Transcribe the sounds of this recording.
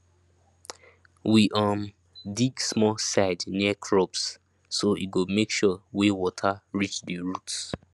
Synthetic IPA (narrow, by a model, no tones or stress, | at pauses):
wiʔəm | diɡsmɔsaɪdniəkʰɹɔbsː | oiɡomekʃɔwewɔtʰaɹit͡ʃdiɹut